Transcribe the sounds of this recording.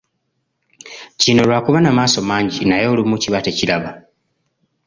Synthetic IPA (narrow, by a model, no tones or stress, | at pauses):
cino̞lwaːkuβanamaːso̞maːɲɟinajo̞ːlimuciβate̞cilaβa